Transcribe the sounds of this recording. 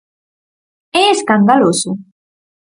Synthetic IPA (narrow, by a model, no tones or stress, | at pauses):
ɛeskand̪alosʊ